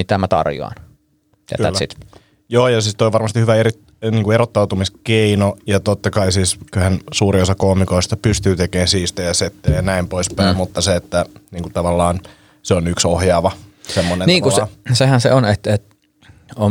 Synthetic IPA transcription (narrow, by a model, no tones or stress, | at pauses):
mit̪æmæt̪ɑ̰rjo̰ɑ̰n | t̪ḛtk̪ːæ̰t̪ːsḭt̪ | joːjɑsiːst̪oiʋɑrmɑst̪ihyʋæeɾi | niːŋkueɾot̪ːɑwt̪umiskeinojɑt̪ot̪ːɑkɑisiːskyhænsuːriosɑkoːmikoist̪ɑpyst̪yːt̪ekeːnsiːst̪æjɑset̪ːeleːnæimpoispæimmut̪ːɑseet̪ːæniːŋkut̪ɑʋɑlːɑːn | seonyksohjɑːʋɑsemːonenniːŋkulːssehænsḛonet̪et̪ | o